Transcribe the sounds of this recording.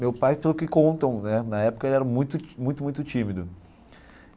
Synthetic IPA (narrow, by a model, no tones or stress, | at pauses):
mewpajpelʊkɪkõnt̪ɐ̃w̃nɛnɐɛpʊ̥kɐelɪɛɾɐmũj̃t̪ʊmũj̃t̪ʊmũj̃t̪ʊt͡ʃĩmɪd̪ʊ